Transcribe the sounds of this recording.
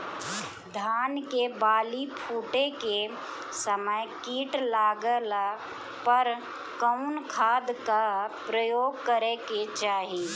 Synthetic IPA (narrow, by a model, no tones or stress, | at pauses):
d̪ʱaːnkebaːlipʰuːʈeke | səməjkiːʈlaːɡəl | pəɾ | kəʊnkʰaːd̪kapɾəjoːɡ̚kəɾeket͡ʃaːɦi